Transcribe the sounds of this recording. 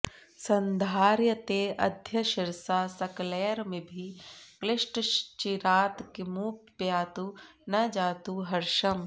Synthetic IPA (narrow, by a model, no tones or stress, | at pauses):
sɐ̃nd̪ʱaːɾjət̪eːɐd̪ʱjɐʃɪɾsaːsɐkleːɾmẽbʱiklɪʃʈt͡ʃiɾaːt̪kimuːk̚pjaːt̪u | nɐd͡ʒaːt̪uɦɐɾʃɐm